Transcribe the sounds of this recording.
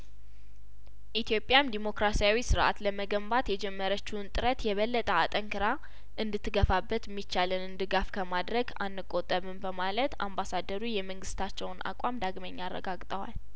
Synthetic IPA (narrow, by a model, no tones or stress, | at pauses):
ʔit̪jo̞pʼjamd̪imo̞kɾasijawisɨɾʔa̰t̪ləməɡəmbat̪jɛd͡ʒɛmːəɾət͡ʃːunt̪ʼɨɾət̪jɛβəlːət̪ʼəat̪ʼəŋkʰɨɾa | ʔɨnd̪ɨt̪ʰːɨɡəfabːət̪mːit͡ʃːalɨnɨnd̪ɨɡafkʰəmad̪ɾəɡanːɨkʼːot̪ʼːəβɨmbəmalət̪ambasad̪əɾujɛməŋɡɨst̪ʰat͡ʃːɛwna̰kʼamd̪aɡməɲːarːə̰ɡaɡt̪ʼəwa̰l